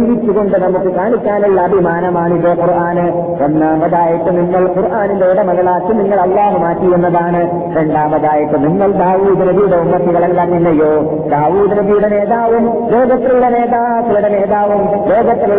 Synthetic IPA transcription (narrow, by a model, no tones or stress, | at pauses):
iʋit͡ɕːuɣo̞ɳɖɨnɐmukːɨkaːɳit͡ɕːaːniɭːɐɐbʱimaːnɐmaːɳiðɐquɾʔaːnɨ | onːaːmbɐðaːjɐʈːɨniŋːɐɭquɾʔaːnind̪eɽɐmɐlɐɭaːkːiniŋːɐɭɐlːaːɦumaːʈːijunːɐðaːɳɨ | ɾe̞ɳɖaːmbɐðaːjɐʈːɨniŋːɐɭd̪aːʋuːd̪inɐbijuɽeumːɐt̪ːiɣɐɭenkɐɾnːinːɐjːo̞ː | d̪aːʋuːd̪ɐnɐbʱijuɽene̞ːðaːʋum | loːɡɐt̪ːɾiuɽene̞ːðaːk̪ːɐluɽeneːðaːʋum | loːɡɐt̪ːɾi